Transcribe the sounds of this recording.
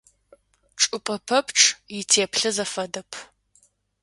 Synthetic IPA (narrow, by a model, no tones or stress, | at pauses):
ʈ͡ʂʼʊpʼɐpʰɐpʰʈ͡ʂʼʰjɪtʰeːpʰɬɨzɐfɐdɐpʰ